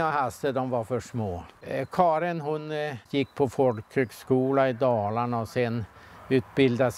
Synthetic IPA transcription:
aɦast̪əd̪ɔmvaɾfœʂmoːkʰɑːɾɪnɦʊnjɪkːpʰɔfɔlkhøːɡskuːlaɪd̪ɑːlaɳɔsɛnʉ̟ːt̪bɪld̪as

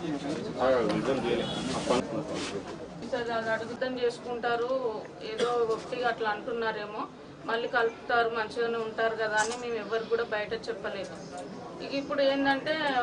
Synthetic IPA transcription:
id̪ɐmd͡ʒeliɐpːɐku | sɐɾɐd̪iɐɽuɡut̪ɐmt͡ʃe̞ːsu̥kuɳʈaːɾu | eːd̪o̞ːɡokʈ̪iɡaɐʈlɐɐɳʈunːaːɾe̞ːmo̞ː | mɐlːiːkɐlpu̥t̪aːɾumɐnɐt͡ʃiloːne̞ːuɳʈaːɾukɐd̪aːnime̞ːmɛʋːɐɾikuːɽaːbɐjɐʈɐt͡ʃɛpːɐle̞ːd̪u | ikɐipːuɽue̞ːnd̪ɐɳʈe̞ː

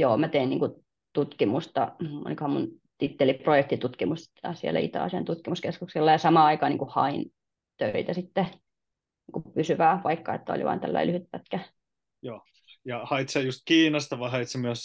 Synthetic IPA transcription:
joːmæt̪einḭːŋku | t̪ut̪kimust̪ɑo̰nikohɑmun | t̪it̪ːeliprojek̚t̪it̪ut̪kimust̪t̪ːɑsiḛlːæ̰ḭt̪ɑ̰ːsḛnt̪ut̪kimuskeskukselːɑjɑsɑmɑːɑikɑːnḭːŋkuhɑ̰in | t̪øit̪æsit̪ːe | niːŋkupysyʋæːʋɑikːɑḛt̪ːæo̰lḭʋɑ̰ːnt̪ælːæ̰ilyhyt̪̚pæt̪kæ | joː | jɑhɑit̪sejust̪̚kiːnɑst̪ɑʋɑiɦɑit̪semyøs

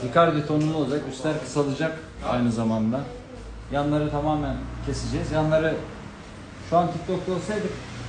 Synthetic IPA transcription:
d̪ikaɾd̪it̪ʰonunˠulˠaɾakyst̪ʲæɾkʰɯ̥salˠɯd͡ʒak | a̰jnɯzamand̪a | janlˠaɾɯt̪ʰamaːmæncʰe̞sid͡ʒɛzjanlˠaɾɯ | ʃuant̪ʰik̚t̪ok̚t̪olˠsajd̪ɯk

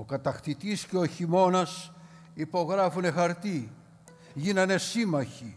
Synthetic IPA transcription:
o̞kɐt̪ɐxt̪it̪isceoçimo̞nɐs | ipo̞ɣɾɐfune̞xɐɾt̪i | ʝinɐne̞simɐçi

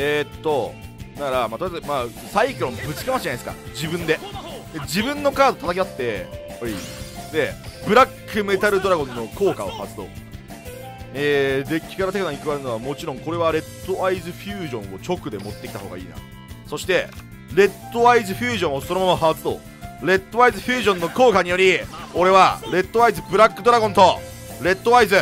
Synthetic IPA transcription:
eːt̪ːo̞nakaɾamat̪oema | saikʲoɾõmbɯ̟t͡ɕi̥kamaɕʑanaesɨka̰d͡ʑibɯ̟̃nd̪e̞d̪ed͡ʑibɯ̟̃nːo̞kaːd̪o̞t̪at̪aked̪at̪ːe̞oid̪e̞bɯ̟ɾakːɯ̟me̞t̪aɾɯ̟d̪o̞ɾaɡõ̞nːo̞ko̞ːkao̞̰haat͡sɨ̥t̪o̞̰ | eːd̪e̞kʲi̥kaɾat̪e̞kanaɲ̟ikɯβaɾɯno̞βamo̞t͡ɕiɾõ̞ŋko̞ɾe̞β̞aɾe̞t̪ːo̞aizɨɸʲjɨːʑõ̞ɰ̃o̞t͡ɕo̞kɯ̟d̪e̞mo̞t̪ːekʲi̥t̪aɦo̞ːɡa̰ḭːna̰ | so̞ɕi̥t̪e̞ | ɾe̞t̪ːo̞βaizɨɸʲjɨːʑõ̞ɰ̃osonomamaɦaβat͡sɨ̥t̪o̞̰ | ɾe̞t̪ːo̞βaizɨɸʲjɨːʑõnːo̞ko̞ːkaɲ̟ijo̞ɾʲio̞ɾe̞βaɾe̞t̪ːo̞βaizɨbɯ̟ɾakːɯ̟d̪o̞ɾaɡõnt̪o̞ | ɾe̞t̪ːo̞βaizɨ

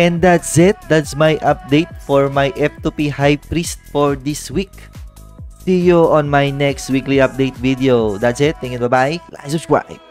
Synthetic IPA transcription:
ʔɛ̃nd̪at̪sɛt̪̚d̪at̪smajʔɐp̚d̪ejt̪̚fɔɹmajʔɛp̚t̪upihajpɾist̪̚fɔɹd̪iswik̚ | sujoʔɔ̃nmajnɛkst̪̚wikliʔap̚d̪ejt̪̚vid̪ɛod̪at̪sɛt̪̚ːɛŋɛnbɐbaʔɪla̰sʊswa̰j

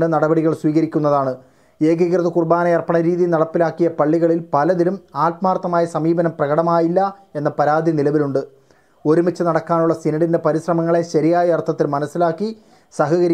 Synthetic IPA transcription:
ɖɨnɐɽɐbɐɽiɣɐɭswiːɣɐɾikʲːun̪ːɐðaːɳɨ | e̞ːɡɐɣrɐðɐkurbaːnɐjɐrpːɐɳɐɾiːðinɐɽɐpːilaːkːijɐpɐɭːiɣɐɭilpɐlɐðilumaːʈ̚maːrt̪ːɐmaːjɐsɐmiːbɐnɐmprɐɣɐɽɐmaːjilːɐ | e̞nːɐpɐɾaːd̪ʱjinilɐʋiluɳɖɨ | o̞ɾumɐt͡ɕːɐnɐɽɐkːaːnuɭːɐsinɐɽinde̞pɐɾiɕrɐmɐŋːɐɭe̞ɕɐɾijaːjɐɐrt̪ʰːɐt̪ːilmɐnɐsːilaːkːi | sɐɦɐɣɐɾi

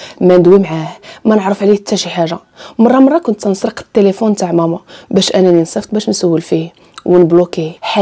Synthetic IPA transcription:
mænəd̪wimʕahmænəʕɾəfʕlit̪ːæʃiħaʒːa | mɑrˤːɑmɑrˤːɑkʊnt̪ːnsˤɾəqə̥t̪ːelefunt̪aʕmæmubæʃʔænæninsˤəft̪̚ˤbæʃnsæwːəlfi | wənblokiħa

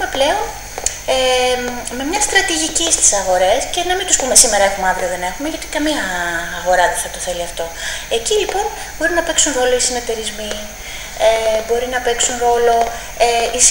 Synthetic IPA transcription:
meple̞o̞n | e | me̞mɲɐst̪ɾɐt̪iʝicist̪i̥sɐɣo̞ɾe̞sce̞nɐmint̪uspume̞sime̞ɾɐe̞xumeɐvɾio̞ðe̞ne̞xume̞ʝɐt̪i̥kɐmiɐːɣo̞ɾɐðeθɐt̪o̞θe̞liɐft̪o̞e̞cilipo̞n | bo̞ɾinɐpe̞ksunɾo̞lo̞isinet̪e̞ɾizmi | ebo̞ɾinɐpe̞ksunɾo̞lo̞ | eis

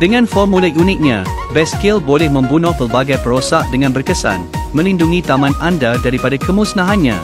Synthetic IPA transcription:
d̥əŋãnfɔmːulaʔunɪt̪̚ɲã | bɛskelbolɛhmə̃mbunɔ̃hpərbaɡajpəɾosaʔ̚dəŋãnbərkəsa̰nmə̃linduŋĩt̪amãnãndadaɾipadakəmusnaɦanɲã̰

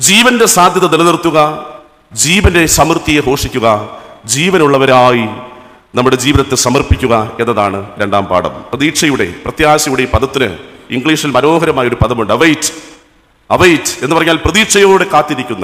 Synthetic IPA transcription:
d͡ʑiːʋɐnde̞saːd̪ʱjɐðɐnelɐðirt̪ːuɣɐ | d͡ʑiːʋɐnde̞sɐmrt̪ːijeɦo̞ːʂikʲːuɣɐd͡ʑiːʋɐnuɭːɐʋɐɾaːji | nɐmːuɽe̞d͡ʑiːʋinɐt̪ːesɐmɐrpikʲːuɣɐenːɐðaːɳɨɾe̞ɳɖa̰ːmpa̰ːɽɐ̰mprɐðiːʈʂɐjuɽe̞̰prɐt̪jaːsɐjuɽepɐðɐt̪ːinɨ̰iŋɡɭiːʂilmɐno̞ːɦɐɾɐmaːjɐo̞ɾupɐðʰʱɐmuɳɖɨɐʋɐjtːɨ̥ | ɐʋɐjtːɨ̥e̞nːɨpɐrɐɲːaːlprɐðiːʈʂɐjoːɽe̞kaːt̪ːiɾikʲːunːɐ

